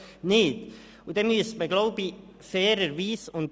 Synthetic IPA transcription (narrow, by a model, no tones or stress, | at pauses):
nɪːt | ʊdɛnmyəstməɡloʊbi | fɛːɾəɾviːsʊnt